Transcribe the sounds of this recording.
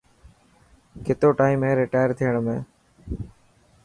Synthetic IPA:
kɪt̪oːʈaːimẽːɾɪʈaːjəɾt̪ʰijəɽ̃mẽː

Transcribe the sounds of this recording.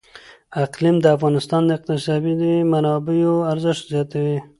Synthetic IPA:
aqlimd̪əafɣɑnɪst̪ɑnd̪əɪq̚t̪ɪsɑbid̪əmanɑbejoaɾzɪʃt̪zjɑt̪awi

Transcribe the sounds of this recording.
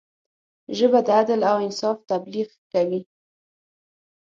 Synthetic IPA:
ʒəbad̪əad̪əlawɪnsɑft̪abliɣkawi

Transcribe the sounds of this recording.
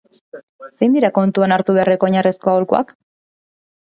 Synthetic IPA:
se̞jnd̪iɾako̞nt̪uanaɾt̪uβeareko̞ːɲaresko̞aolkua̰k

